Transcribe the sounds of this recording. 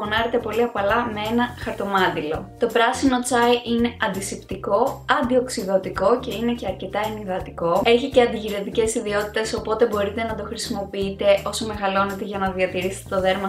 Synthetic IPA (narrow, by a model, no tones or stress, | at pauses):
onɐɾet̪e̞po̞liɐpɐlɐmee̞nɐxɐɾt̪o̞mɐnd̪ilo̞t̪o̞pɾɐsino̞t͡sɐjʔine̞ʔɐnd̪isipt̪iko̞ɐnd̪io̞ksiðo̞t̪iko̞ce̞ine̞ce̞ɐɾce̞t̪ɐeniðɐt̪iko̞e̞çice̞ɐnd̪iʝiɾe̞t̪ice̞siðio̞t̪i̥t̪e̞so̞po̞t̪e̞bo̞ɾit̪e̞nɐd̪o̞xɾisimo̞piit̪e̞o̞so̞me̞ɣɐlo̞net̪e̞ʝɐnɐðiɐt̪iɾist̪et̪o̞ðe̞ɾmɐ